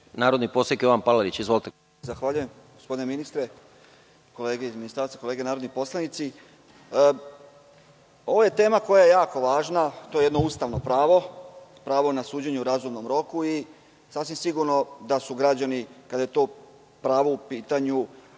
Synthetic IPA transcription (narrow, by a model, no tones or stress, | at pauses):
naːɾod̪nipo̞sekjoʋanpalaɾit͡ɕizʋolit̪e | zaxʋaːʎuje̞m | ɡospo̞d̪ineminist̪ɾe | ko̞leːɡeizminist̪aɾt̪sako̞leːɡenaːɾod̪nipo̞slˠanit̪si | o̞ʋoje̞t̪e̞ːmako̞jaje̞jaːko̞ʋaːʒnat̪o̞jee̞d̪no̞uːst̪aʋno̞pɾaːʋo̞pɾaːʋo̞nasuːd͡ʑeɲeuɾaːzumno̞mɾo̞kui | saːfsʋimsiɡuɾno̞d̪asuɡɾad͡ʑanikad̪ajet̪o̞ː | pɾaːʋo̞upiːt̪aɲu